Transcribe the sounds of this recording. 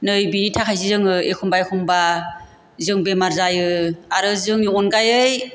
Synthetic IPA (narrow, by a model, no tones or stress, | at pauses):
nɯjbinitʰakʰajs̬izɯŋɯekʰumbajkʰuŋba | zɯŋbemaɾzajɯaɾɯzɯŋjuɔnɡajɯj